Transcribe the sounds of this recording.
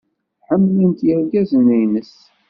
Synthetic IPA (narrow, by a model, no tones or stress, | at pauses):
ħəmːlənt̪jəɾɡæzənəjnəs